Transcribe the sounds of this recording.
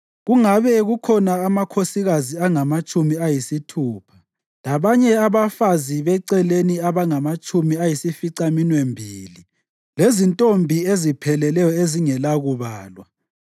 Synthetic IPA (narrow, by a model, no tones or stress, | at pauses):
ɣuŋaβɛɣukʰɔnaːmakʰosiɣaziaŋamat͡ʃʼumiajisitʰuːpʰḁ | laβaɲɛaβafaziβɛǀɛleniaβaŋamat͡ʃʼumiajisifiǀaminwembʱiːli | lezintʼombʱiezipʰɛlɛlɛjɔeziŋɛlaɣuβaːlwa